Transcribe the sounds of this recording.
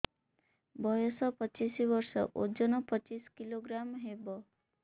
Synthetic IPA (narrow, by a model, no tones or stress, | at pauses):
bʱɔjɔsɔpɔt͡ʃisibɔɾsɔ̰ʔod͡ʒɔnɔpɔt͡ʃiskiloɡɾamɦebɔ